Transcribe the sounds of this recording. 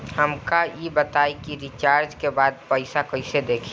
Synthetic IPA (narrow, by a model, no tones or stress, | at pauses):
həmkajebət̪aːikiɾit͡ʃaːɾd͡ʒkebaːd̪̚pəɪsakəɪsed̪eːkʰː